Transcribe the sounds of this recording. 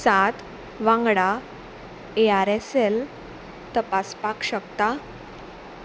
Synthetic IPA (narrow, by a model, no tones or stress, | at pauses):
sat̪ | ʋãŋɡɽa | eaɾesel | t̪əpaspakɕəkt̪a